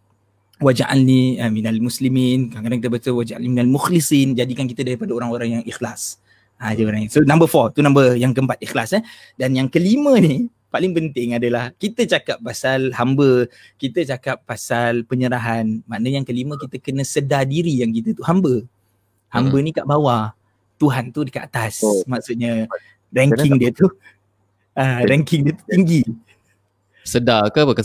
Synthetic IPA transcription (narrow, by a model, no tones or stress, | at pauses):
wad͡ʒaʔalniəminalmusliminkakadaŋkit̪əbət̪əwad͡ʒaʔa̰niminalmuxlisind͡ʒadikankit̪ədaɾipadaoɾaŋoɾaŋjaŋixlas | ad͡ʒəoɾaŋsonãmbəfɔt̪unãmbərjaŋkəmpat̪̚ixlasə | danjaŋkəlimə̃ni | palɪŋpənt̪ɪŋadəlahkit̪ət͡ʃakapːasalhambə | kit̪ət͡ʃakapːasalpəɲəɾaɦanmaʔnəɲakəlimə̃kit̪əkənə̃sədadiɾijaŋkit̪ət̪uhambə | hambənikaʔbawa | t̪uɦant̪udəkaʔat̪asmaksuʔ̪̚ɲa | rɛŋkɪŋdiət̪u | aɾɛŋkɪŋdiət̪u̥t̪iŋɡi | sədakəəkə